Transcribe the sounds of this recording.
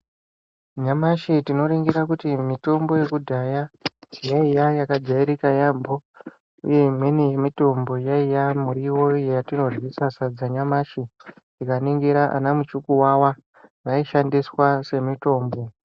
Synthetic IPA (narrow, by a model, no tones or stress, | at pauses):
ɲamaʃitino̞ɾiŋɡiɾakutimito̞mbo̞je̞kudʱajajaijajakad͡zaiɾikajambo̞ | ṵje̞mwenejemito̞mbo̞jaijamuɾiwo̞jejatino̞ʐwisasad͡zaɲamaʃi | ikaniŋɡiɾaʔa̰namut͡ʃukuwawa | raiʃandiswase̞mito̞ːmbo̞